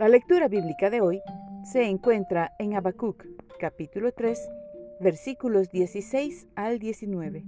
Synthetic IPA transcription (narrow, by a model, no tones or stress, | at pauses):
lalek̚t̪uɾaβiβlikaðeojseːŋkwe̞nt̪ɾaeŋaβakukːapit̪ulot̪ɾesbeɾsikulozd̪jesisejsald̪jesinweβe